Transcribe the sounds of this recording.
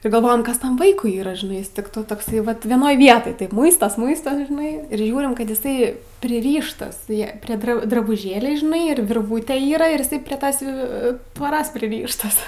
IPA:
ɪr ɡɐlˠˈʋoːjɛm ˈkɐs ˈtɐm ˈʋɐɪkʊɪ ˈiːrɐ ʒʲɪˈnɐɪ ˈjɪs ˈtʲɪk toː toːkˈsɐɪ ˈʋɐt ʋʲiɛˈnoːj ˈʋʲiɛtoːj ˈtɐɪp ˈmʊɪstoːs ˈmʊɪstoːs ʒʲɪˈnɐɪ ɪr ˈʒʲuːrʲɪm ˈkɐt ɪˈsɐɪ pʲrʲɪˈrʲiːʃtɐs jɛ pʲrʲeː ˈdrɐ drɐbʊˈʒʲeːlʲɛɪ ʒʲɪˈnɐɪ ɪr ʋʲɪrˈʋuːtʲɛ ˈiːrɐ ɪr ɪˈsɐɪ pʲrʲɛ ˈtoːs jɛʊ tʋoːˈroːs pʲrʲɪˈrʲiːʃtɐs

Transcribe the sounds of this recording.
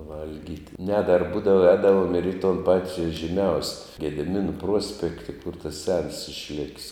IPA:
ˈʋɐlʲɡʲiːtʲ nʲɛ dɐr ˈbuːdɐʋɐ ˈɛːdɐʋoːm ɪr iː toːn ˈpɑːtʲɪ ʒʲiːˈmʲɛʊsʲ ɡʲɛdʲɪˈmʲɪnʊ ˈpruɔsʲpʲɛktʲɪ kʊr tɐs sʲɛns ɪʃʲˈlʲɪkʲsʲ

